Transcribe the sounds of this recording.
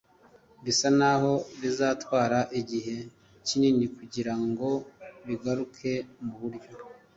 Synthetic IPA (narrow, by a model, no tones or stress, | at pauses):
βisanaho̞βizaːtwaːɾaʔiɟiɦe̞ | cininikuɟiɾaŋɡo̞βiɡaɾukʰe̞muβuɾjo̞